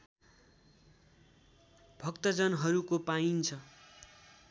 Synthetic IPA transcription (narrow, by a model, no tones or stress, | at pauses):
bʱʌkt̪ʌd͡zʌnɦʌɾukopaint͡sʰʌ